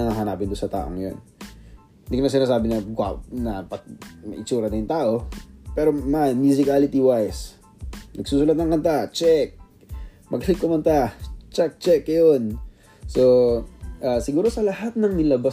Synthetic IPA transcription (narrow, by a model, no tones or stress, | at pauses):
ɐŋaɦɐnaːpɪnd̪ʊnsɐt̪a̰ːʔo̰ŋɐjo̰n | nd̪ɪknɐsɪnaːs̬aːbɪnɐɡa̰nɐpɐt̪̚mɐ̰ʔɪt͡ʃuːɾɐnɐjʊnt̪aːʔo̞pɛːɾomamjusɪkaːlɪt̪iwajs | nʔɐɡ̥̚suːsʊlat̪̚nɐŋkɐnt̪at͡ʃɛk̚ | mɐɡɐlɪŋkːʊmɐnt̪at͡ʃɛk̚t͡ʃɛkːjon | soʔaːsɪɡuːɾo̞sɐlɐhat̪̚nɐŋnɪlɐba